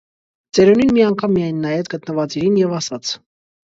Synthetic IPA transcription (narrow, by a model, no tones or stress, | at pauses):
t͡sɛɾɔninmiɑŋkʰɑmːijɑjnːɑjɛt̪ɡət̪nəvɑt͡siɾinjɛvɑsɑt͡sʰ